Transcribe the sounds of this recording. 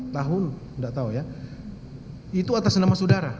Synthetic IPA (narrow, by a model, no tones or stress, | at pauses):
t̪aɦʊnndaʔt̪auja | it̪uat̪asnamasudaɾa